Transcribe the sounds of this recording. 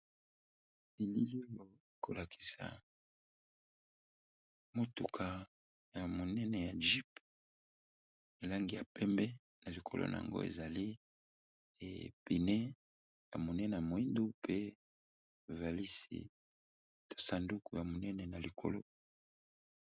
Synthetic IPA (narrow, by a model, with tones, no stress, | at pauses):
i˨li˦li˦o˦jo˦e˨ko˨la˨kʰi̥˨sa̰˨ | mo˨tu˨kʰa˨ | ja˨mo˨nɛ˦nɛ˨ja˨ʒi˦p | e˨la˦ŋɡi˨ja˨pɛ˦mbɛ˦ | nna˨li˨kʰo˨lo̰˦na̰˨a̰˨ŋɡo̰˦ḛ˨za˨li˦˨ | pi˨nɛ˦ | ja̰˨mo˨nɛ˦nɛ˨a˨mo˨i˦ndo˦pe˦ | va˨li˦sḭ˨ | to̥˨sa˨ndu˦ku˨ja˨mo˨nɛ˦nɛ˨na˨li˨kʰo̰˨lo̰˦